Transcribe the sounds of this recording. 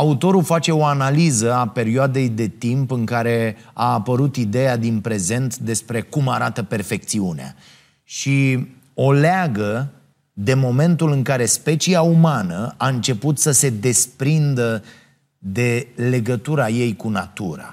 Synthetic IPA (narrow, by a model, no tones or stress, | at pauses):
aut̪o̞ɾufat͡ʃe̞o̞analizəape̞ɾioad̪e̞jd̪e̞t̪impɨŋkaɾe̞aːpəɾut̪id̪e̞jad̪inpɾe̞ze̞nt̪d̪e̞spɾe̞kumaɾat̪əpe̞rfe̞k̚t̪siunea̰ | ʃi | o̞leaɡə | d̪e̞mo̞me̞nt̪ulɨŋkaɾe̞spe̞t͡ʃiaumanəaɨnt͡ʃe̞put̪səse̞d̪e̞spɾind̪ə | d̪e̞le̞ɡət̪uɾaje̞jkunat̪uɾa̰